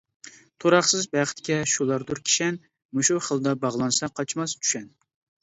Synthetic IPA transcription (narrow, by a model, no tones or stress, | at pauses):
t̪ʰoɾɑχsɨzbæχt̪kʲɛʃulˠɑɾd̪uɾkʲʰi̥ʃɛn | muʃuχəlˠd̪ɑbɑʁlˠɑnsɑqʰɑt͡ʃmɑst͡ʃ̪ʰy̥ʃɛn